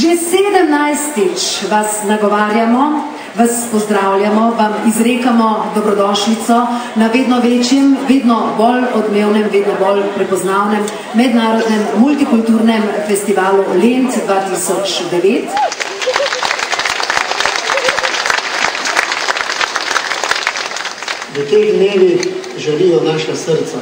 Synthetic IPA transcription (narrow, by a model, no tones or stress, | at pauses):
ʒeseːd̪əmnajst̪it͡ʃʋasnaɡɔʋaːɾjamɔ | ʋaspɔzd̪ɾaːwlʲjamɔʋamizɾeːkamɔd̪ɔbɾɔd̪ɔːʃlit̪sɔnaʋeːd̪nɔʋeːt͡ʃjɛmʋeːd̪nɔbɔlɔd̪meːwnɛmʋeːd̪nɔbɔlpɾɛpɔznaːwnɛmː | ɛd̪naːɾɔd̪nɛmːult̪ikult̪uɾnɛmfɛst̪iʋaːlulent̪sd̪ʋaːt̪isɔt͡ʃd̪ɛʋeːt̪ | ʋət̪ɛjd̪neːʋi | ʒɛlijɔnaːʃasəɾt̪sa